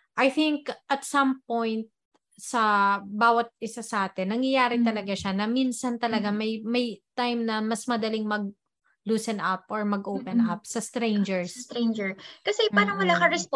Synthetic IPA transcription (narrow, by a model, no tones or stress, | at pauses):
ʔɐjθɪŋkʔɐt̪̚sɐmpõjnt̪̚ | sɐbaːwɐt̪̚ʔɪsasɐʔaːt̪ɪnːɐŋjɐjaːɾɪt̪ɐlɐɡaʃanɐminsɐnt̪ɐlɐɡamɐjmɐjt̪ajmnɐmɐsmɐd̪ɐlɪŋmɐɡ̚ | luːsɛnʔɐp̚ʔɔɹmɐɡʔoːpɛnʔɐp̚sɐst̪ɾɛjnd͡ʒɛɹst̪ɾɛjnd͡ʒɛɹkɐsɛpaːnɐmɐlaːkɐɾɛsp